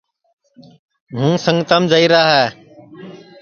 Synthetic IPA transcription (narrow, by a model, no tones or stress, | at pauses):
ɦũːsəŋɡt̪əːmd͡ʒəiːɾaːɦɛː